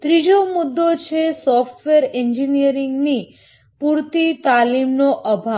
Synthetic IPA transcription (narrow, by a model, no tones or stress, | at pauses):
t̪ɾid͡ʒomud̪ːot͡ʃʰesɔfʈʋeəɾeɲd͡ʒinijəɾiŋɡni | puɾt̪it̪alimnoʔəbʱa